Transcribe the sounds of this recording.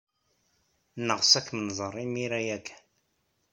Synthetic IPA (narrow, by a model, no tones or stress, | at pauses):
nəʁsækːmənzˤərˤimiɾæjækːæ̥n